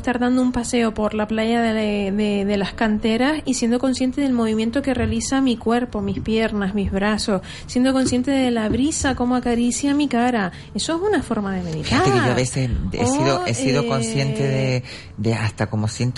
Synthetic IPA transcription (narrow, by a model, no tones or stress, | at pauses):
ht̪aɾðand̪oumpase̞o̞po̞ɾlaplaʝaðeðeðe̞lahkant̪e̞ɾasisje̞nd̪o̞ko̞nsje̞nt̪eðe̞lmo̞β̞imjent̪o̞ke̞realisamikwe̞ɾpo̞mispje̞ɾnazmizβɾaso̞s | sje̞nd̪o̞ko̞nsje̞nt̪e̞ðe̞laβɾisako̞moakaɾisjamikaɾa | e̞so̞esunafo̞ɾmaðemeðiaeioaβesesḛosiðoesiðoko̞nsje̞neðe | d̪east̪ako̞mosjent̪